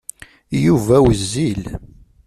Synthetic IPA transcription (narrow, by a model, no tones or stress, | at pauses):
juvæwəzːil